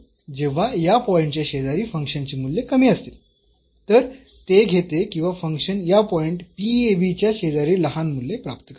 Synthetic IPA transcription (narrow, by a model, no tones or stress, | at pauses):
d͡ʑeʋ̤ajapɔiɳʈt͡ɕjaɕed̪aɾiːfəŋkʂənt͡ɕemulːekəmiːəst̪e | t̪əɾ | t̪eɡʱet̪ekĩw̃ʋafəŋkʂənjapɔiɳʈpieʋit͡ɕjaɕed̪aɾiːləɦanmulːepɾapt̪ək